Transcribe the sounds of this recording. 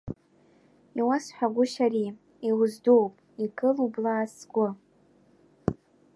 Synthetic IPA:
iwasħʷᶣaɡʷʊʃari | iwuzdowpʼ | ikʼɨlublaːsɡʷʊ

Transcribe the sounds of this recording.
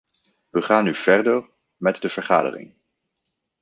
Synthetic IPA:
ʋəχaːnyv̥ɛɹdəɹ | mɛtdəv̥əɹχa̰ːdə̰rɪ̰ŋ

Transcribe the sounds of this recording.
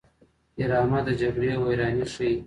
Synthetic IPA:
iɾɑːmad̪əd͡ʒaɡɽeːwajɾɑːniʂii

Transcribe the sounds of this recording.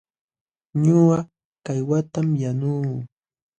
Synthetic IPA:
ɲʊɢa | kajwat̪amjanuː

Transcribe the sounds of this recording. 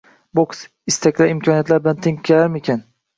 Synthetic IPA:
boks | ɪst̪ʰakʲlaimkʲʰɒnijat̪laɾblant̪ʰeŋʰʲːalaɾmekʲʰan

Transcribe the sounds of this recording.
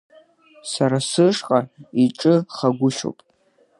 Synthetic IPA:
saɾasɨʂqʼaiʈ͡ʂʼɨχaɡʷʊʃo̰pʼ

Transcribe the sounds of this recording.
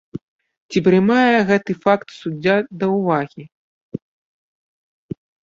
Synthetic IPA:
t͡sʲipɾɨmajɐɣɛt̪ɨfakt̪sud͡zʲːad̪ɐwvaɣʲi

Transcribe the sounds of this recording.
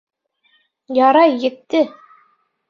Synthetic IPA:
jɑɾɑjjɘ̆t̪ːɘ

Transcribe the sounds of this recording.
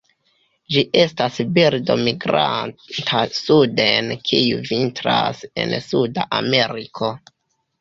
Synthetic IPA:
d͡ʒiʔe̞stasbiɾdo̞miɡɾantʰasude̞nkʰiuvintɾa̰se̞̰nsuda̰ʔame̞ɾikʰo̞

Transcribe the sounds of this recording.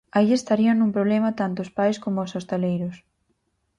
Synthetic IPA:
aiest̪aɾiɐŋnumpɾoβ̞lemɐt̪ant̪ʊːspajskomoːsost̪elejɾʊs

